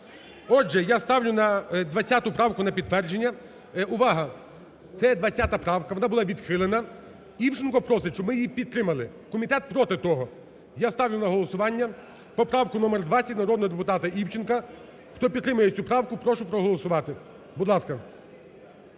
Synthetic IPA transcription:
ɔʒɛjast̪ɑwlʲʊnɐd̪ʋɐt͡sʲːat̪ʊpɾɑwkʊnɐpʲid̪t̪ːʋɛrd͡ʒenʲːɐ | ʊʋɑɦɐ | t̪sɛjɛd̪ʋɐt͡sʲːat̪ɐpɾɑwkɐʋɔnɑbʊlˠɑʋʲid̪xɪlˠenɐ | iwt͡ʃɪnkɔpɾɔsɪt͡ʃɔbmɪjipʲid̪t̪ːɾɪmɐlˠɪ | kɔmʲit̪ɛt̪̚pɾɔt̪ɪt̪ɔɦɔ | jast̪ɑwlʲʊnɐɦɔlˠɔsʊʋɑnʲːɐ | pɔpɾɑwkʊnɔmerd̪ʋɑt͡sʲːɐtʲnɐɾɔd̪nɔɦɔd̪pʊt̪ɑt̪ɐʔiwt͡ʃɪnkɐ | xt̪ɔpʲid̪ɾɪmɐjet͡sʲupɾɑwkʊpɾɔʃʊpɾɔɦɔlˠɔsʊʋɑt̪ɪ | bʊd̪lˠɑskɐ

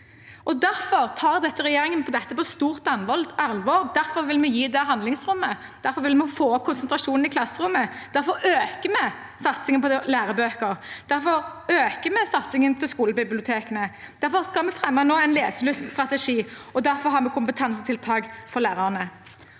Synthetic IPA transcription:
ʔɔd̪æɾfɔʁt̪ʰɑːʁd̪ɛt̪ːəʁɛjeːɾɪŋənpʰɔd̪ɛt̪ːəpɔst̪uːʁt̪ɑnʋɔlɑlʋɑːɾd̪æɾfɔɾʋɪlmɛjiːd̪ɛɦɑnd̪lɪŋsʁʊmːə | d̪̥æɾfɔɾʋɪlmɛfoːɔp̚kʰʊnsənt̪ɾɑʂuːnn̩ɪkʰlɑsːəɾʊmːəd̪æɾfɔɾøːkəmɛ | sɑt̪sɪŋənpɔlæːɾəbøːkəɾd̪̥æɾfɔʁøːkəmɛsɑt̪sɪŋənt̪ʰɪlskuːləbɪblɪʊt̪ʰeːkənə | d̪̥æɾfɔʁskɑlmɛfʁɛmːɑnoːæɪnleːsəlʉst̪st̪ɾɑt̪ɛʂiːɔd̪æɾfɔɾɦɑːmɛkʰʊmpət̪ʰɑnsət̪ʰɪlt̪ʰɑːɡfɔʁlæːɾɑʁnə

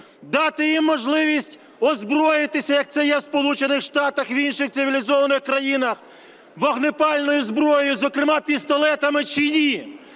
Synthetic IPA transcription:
d̪ɑt̪ɪjimːɔʒlˠɪʋʲisʲtʲ | ɔzbɾɔjɪt̪ɪsʲɐjɐk̚t̪sɛjɛwspɔlˠut͡ʃenɪxʃt̪ɑt̪ɐxwinʃɪxt̪ɪʋʲilʲizɔʋɐnɪxkɾɐjinɐx | ʋɐɣnɪpɑlʲnɔjʊzbɾɔjʊjʊzɔkɾɪmɑpʲist̪ɔlˠɛt̪ɐmɪt͡ʃɪnʲi

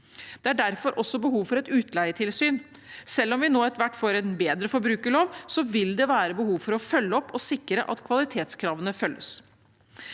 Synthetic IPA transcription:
d̪̥ɛæɖæɾfɔɾʔɔsːɔbəɦuːʋfɔɾɛt̪ʉːt̪læɪəʈʰɪlsyːn | sɛlːɔmʋɪnoːɛt̪ʋæʈːfoːɾɛnbeːd̪ɾəfɔɾbɾʉːkəɭoːʋsɔʋɪld̪ɛʋæːɾəbəhuːʋfɔɾɔfœlːəɔpʰːɔsɪkːɾə̰ʔɑ̰t̪kʰʋɑlɪt̪ʰeːt̪skʰɾɑːʋənəfœlːəs

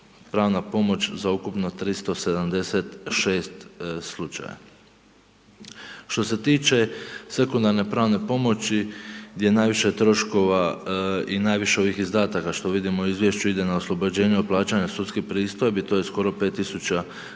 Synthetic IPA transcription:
pɾaːʋnapo̞mo̞t͡ɕzaukupno̞t̪ɾist̪o̞se̞d̪amd̪e̞set̪ʃeːst̪slˠut͡ʃa̰ja̰ | ʃt̪o̞se̞t̪iːt͡ʃe̞se̞kund̪aɾne̞pɾaːʋne̞po̞mo̞t͡ɕiɡd̪je̞naːjʋiʃe̞t̪ɾo̞ʃko̞ʋa | inaːjʋiʃe̞o̞ʋixizd̪aːt̪akaʃt̪o̞ʋid̪imouizʋjeʃt͡ɕuid̪e̞naoslˠobod͡ʑe̞ːɲeoplˠaːt͡ɕaɲasut̪skipɾiːst̪ojebit̪ojesko̞ɾo̞pe̞ːt̪ːisut͡ɕa

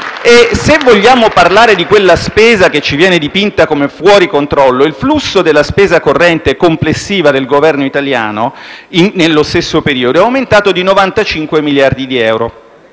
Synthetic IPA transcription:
esevːoʎːaːmoparlaːɾed̪ikwelːaspeːzak̟et͡ʃːivjɛːned̪ipint̪akomefwɔːɾikont̪ɾɔlːoilflusːod̪elːaspeːzakorːɛnt̪ekomplesːiːvad̪elɡovɛrnoit̪alja̰ːnoiːelːost̪esːopeɾiːod̪oɛawment̪aːt̪od̪inovant̪at͡ʃiŋkwemiljard̪id̪iɛwɾo̰

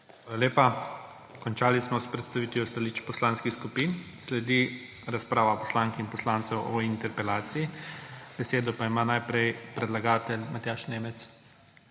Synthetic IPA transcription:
xʋaːlaleːpa | kɔnt͡ʃaːlismɔspɾɛt̪st̪aʋiːt̪ʋiɔst̪alit͡ʃpɔslaːnskixskupinslɛd̪i | ɾaspɾaːʋapɔ̥slaːŋkinpɔslaːnt̪sɛwɔint̪ɛɾpɛlaːt̪siːb̥ɛseːd̪ɔpaimanajpɾɛjpɾɛd̪laɡaːt̪ɛlmat̪jaːʃneːmɛt̪s

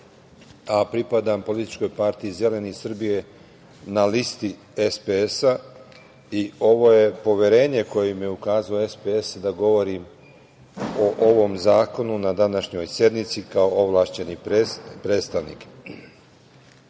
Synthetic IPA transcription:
apɾipad̪ampo̞lit̪i̥t͡ʃko̞jpaɾt̪iize̞le̞nisr̩bije̞ | nalist̪i | espeesa | io̞ʋo̞je̞po̞ʋje̞ɾe̞ːɲe̞ko̞jemje̞ukaːzaoe̞speesd̪aɡo̞ʋo̞ɾim | oʔoʋo̞mzaːko̞nunad̪anaʃɲo̞jsje̞d̪mit̪sikao̞ʔoʋlaːʃt͡ɕe̞nipɾeːt̪st̪aʋnḭk

